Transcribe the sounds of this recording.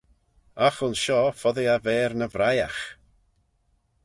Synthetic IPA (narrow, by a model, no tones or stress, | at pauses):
axʊnʃɔfɔðɪavɛːɾnəvɾajax